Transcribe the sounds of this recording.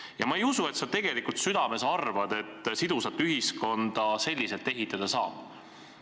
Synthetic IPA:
jɑmɑe̞jusue̞t̪sɑt̪e̞ɡ̥e̞likult̪syd̪̥ɑme̞sɑrvɑd̪̥e̞t̪ːˑsid̪usɑt̪ːˑyɦisko̞nd̪̥ɑse̞lʲːise̞lt̪ːˑe̞ɦit̪ːˑɑd̪̥ɑsɑːb̥

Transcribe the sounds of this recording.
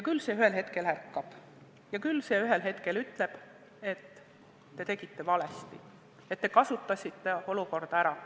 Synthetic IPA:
jɑkylse̞yhelɦe̞t̪ke̞lhærkˑːɑb̥ | jɑkylːse̞ːyɦe̞lɦe̞t̪ke̞lyt̪ːˑle̞b̥ | e̞t̪ː | e̞t̪e̞ɡ̥it̪ːe̞vɑle̞st̪ḭ | et̪ːe̞kɑsut̪ˑːɑsʲit̪ːe̞o̞luko̞rd̪̥ɑæɾɑ

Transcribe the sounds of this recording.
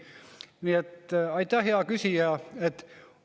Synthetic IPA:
niet̪ːɑit̪æheɑkysiæet̪

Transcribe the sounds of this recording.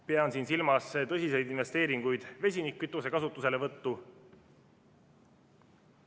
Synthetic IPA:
peɑnsiːnsilmɑst̪ɤsʲise̞jd̪inve̞st̪e̞ːɾiŋɡ̥ujd̪̥ve̞sʲinikːˑyt̪ːˑuse̞kɑsut̪ːˑuse̞le̞vɤt̪ːu

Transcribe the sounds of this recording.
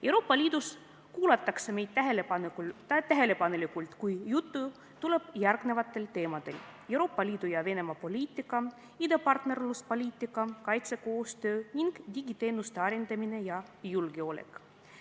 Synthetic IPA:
e̞wɾo̞ːpːɑlʲiːd̪̥us | kuːlɑt̪ːˑɑkseme̞jd̪̥t̪æɦel | t̪æɦe̞le̞pɑnelikult̪kujjut̪ːu | t̪ule̞b̥jærɡ̥ne̞vɑt̪ˑːe̞lt̪e̞ːmɑd̪̥e̞̰lewɾo̞ːpːˑɑlʲiːd̪̥ujɑve̞ne̞mɑpo̞lʲiːt̪ːˑikːˑɑ | id̪ɑpɑrt̪ne̞rluspo̞lʲiːt̪ːˑikːˑɑkɑjt̪se̞ko̞ːst̪ø̞ːniŋɡ̥d̪ʲiɡ̥it̪e̞ːnust̪e̞ɑɾend̪ɑmine̞jɑpijulɡeo̞lḛk

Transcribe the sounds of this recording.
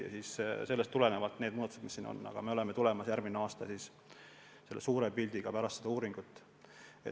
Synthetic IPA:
jɑ̰siːsse̞lːest̪ːule̞ne̞vɑt̪ːˑned̪̚uːdɑt̪u̥se̥misːiːno̰nːɑ̰ɡ̥ɑ̰me̞o̞le̞met̪ule̞mɑsjærmineɑːst̪ɑsiːs | se̞lːesuːɾepilʲd̪iɡ̥ɑpæɾɑst̪sed̪ɑuːɾiŋɡ̥ut̪ːˑ | e

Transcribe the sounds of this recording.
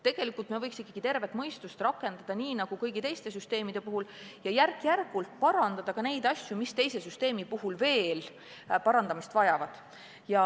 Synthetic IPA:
t̪e̞ɡ̥e̞likːˑult̪mevɤjksikːɑɡ̥it̪e̞rve̞t̪mɤjst̪ust̪rɑkːˑe̞nd̪̥ɑd̪̥ɑniːnɑɡ̥ukɤjɡit̪e̞jst̪e̞s̬yst̪e̞ːmid̪̥e̞puɦuljɑjærkˑjærɡ̥ult̪̚pɑɾɑnd̪̥ɑd̪̥ɑkɑne̞jd̪ɑsʲjumist̪e̞jse̞syst̪e̞ːmipuɦulve̞ːl | pɑɾɑnd̪ɑmist̪vɑjɑvɑd̪̥ | jɑ

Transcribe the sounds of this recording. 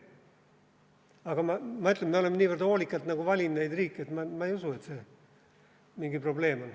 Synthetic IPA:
ɑɡ̥ɑmɑmɑyt̪lemmeolemːeniːvørd̪oːlʲikːˑɑlt̪nɑɡ̥uvɑlʲinne̞jd̪riːkːˑiet̪mɑmɑejusue̞t̪se̞ | miŋɡipro̞ble̞ːmo̞n

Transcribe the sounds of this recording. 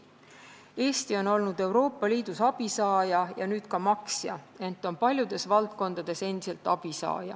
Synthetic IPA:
e̞ːst̪io̞no̞lnud̪̥e̞wɾo̞ːpːˑɑliːd̪̥usɑb̥isɑːjɑjɑ̰nyːd̪̥kɑmɑksjɑ̰ | e̞nt̪ːˑo̞npɑlʲjud̪e̞svɑlt̪̚ko̞nd̪̥ɑd̪̥e̞se̞nd̪̥ise̞lt̪ːˑɑb̥isɑ̰ːjɑ̰

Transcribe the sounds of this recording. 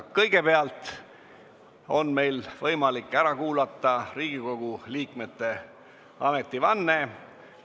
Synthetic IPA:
kɤjɡ̥e̞peɑlt̪ | o̞̰nme̞jlvɤjmɑlikːˑæɾɑkuːlɑt̪ˑːɑɾiːɡ̥iko̞ɡ̥uliːkme̞t̪ːe̞ | ɑme̞t̪ˑːivɑnːe̞

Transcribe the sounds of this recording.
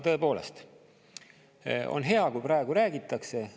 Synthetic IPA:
t̪ɤ̞epo̞ːle̞̰st̪ | o̰nɦe̞ɑkujpɾɑe̞ɡ̥uɾæːɡ̥it̪ˑːɑkse̞

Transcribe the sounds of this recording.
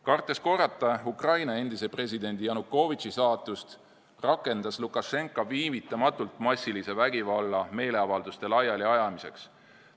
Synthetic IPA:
kɑrt̪ˑːe̞sko̞rːɑt̪ːˑɑukrɑjnɑe̞nd̪̥ise̞pre̞sʲid̪e̞nʲd̪̥ijɑnukːˑo̞vit̪t͡ʃisɑːt̪ːˑust̪ | rɑkːˑe̞nd̪̥ɑslukːˑɑʃe̞ŋkːˑoviːmit̪ːˑɑmɑt̪ːult̪mɑsʲːilise̞væɡ̥ivɑlːɑme̞ːle̞ɑvɑld̪ust̪e̞lɑjɑliɑjɑmise̞̰ks

